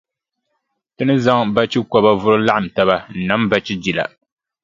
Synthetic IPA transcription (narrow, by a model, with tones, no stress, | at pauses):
tɨ˦nɨ˦za˦ŋba˦t͡ʃi˦kɔ˨ba˦vʊ˦ɾɨ˦la˦ʔa˨m˨ta˦βa˦n̩˨na˨˦m˦ba˦t͡ʃi˦d͡ʒi˨la̰˨